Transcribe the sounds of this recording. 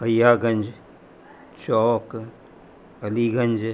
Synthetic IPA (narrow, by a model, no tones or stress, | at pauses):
əjaːɡɐnd͡ʒ | t͡ʃɔːk | ɐliːɡɐnd͡ʒ